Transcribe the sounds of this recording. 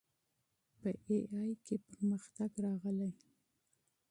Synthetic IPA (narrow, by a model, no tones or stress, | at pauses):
pəeɑjkʰepəɾməxt̪aɡɾɑɣəlaj